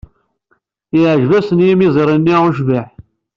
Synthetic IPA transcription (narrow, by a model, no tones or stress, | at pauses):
jʕʒvæsənjimizˤeɾˤinːiʁʊʒviħ